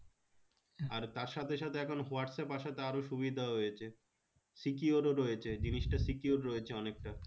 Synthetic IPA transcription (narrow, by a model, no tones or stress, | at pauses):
aɾt̪aɾʃat̪ʰeʃat̪ʰeɛkʰonɦoaʈsepaʃat̪ʰeaɾoʃubid̪ʱaɦojet͡ɕʰe | sikioɾoɾoet͡ɕʰed͡ʑiniʃʈasikioɾɾojet͡ɕʰeɔnek̚ʈa